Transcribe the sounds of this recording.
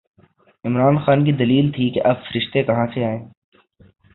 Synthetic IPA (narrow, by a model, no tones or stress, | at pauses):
ɪmɾaːnxaːnk̬id̪ɐliːlt̪ʰikeʔɐbfɐɾɪʃt̪ekɐɦãseaːẽː